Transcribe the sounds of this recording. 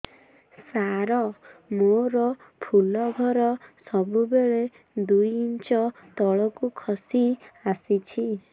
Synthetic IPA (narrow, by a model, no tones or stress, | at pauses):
saɾɔmoɾɔ | pʰulɔɡʱɔɾɔsɔbubeɭe | d̪ujint͡ʃɔt̪ɔɭɔkukʰɔsiasit͡ʃʰi